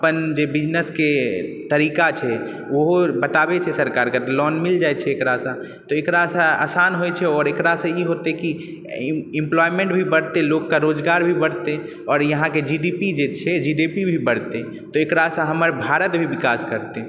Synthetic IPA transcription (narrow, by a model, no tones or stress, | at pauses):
əpənd͡ʒebid͡ʒnəsket̪əɾikat͡ʃʰɛ | oɦobət̪abet͡ʃʰɛsəɾkaːɾkat̪lɔnmild͡ʒaɛt͡ʃʰɛːkɾasə̃ | t̪ɔekɾasə̃a̰sanɦojt͡ʃʰɛɔːɾekɾasə̃iɦot̪eki | ɪ̃mplɔjmẽɳʈbʱibəɽt̪eloɡkaɾod͡ʒɡaːɾbʱibəɽt̪e | ɔːɾjəɦãked͡ʒiɖipid͡ʒet͡ʃʰɛd͡ʒiɖipibʱibəɽ̤t̪e | t̪ɔekɾasə̃ɦəməɾbʱaɾət̪bʱibikaskəɾt̪e